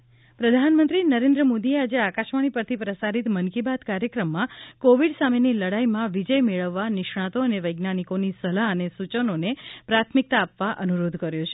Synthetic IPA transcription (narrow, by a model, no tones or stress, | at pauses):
pɾəd̪ʱanmənt̪ɾinəɾẽnd̪ɾəmod̪iead͡ʒeakaʃʋaɽ̃ipəɾt̪ʰipɾəsaɾit̪mənkibat̪kaɾjəkɾəmːãkoʋiɖsameniləɽajmãʋid͡ʒəjmeɭəʋːanɪʃɳ̃ãt̪oəneʋəjɡnanikonisəlaənesut͡ʃənonepɾat̪ʰmik̚t̪aːpʋaʔənuɾod̪ʱkəɾjõt͡ʃʰe̥